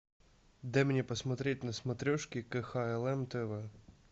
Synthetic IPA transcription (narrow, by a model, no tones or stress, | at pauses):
d̪ɛmenʲipɔsmɐt̪ɾʲetʲnɐsmɐt̪ɾʲɔʃkʲikɪxɑjɛlˠɛmt̪ɪʋɛ